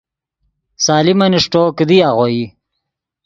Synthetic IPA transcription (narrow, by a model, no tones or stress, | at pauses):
saːlimɐniʂʈoːkid̪iaɣoi